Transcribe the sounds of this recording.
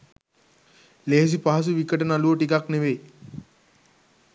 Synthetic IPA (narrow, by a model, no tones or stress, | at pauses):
leɦs̬ipaɦas̬uʋikəʈənaluʈikakneʋe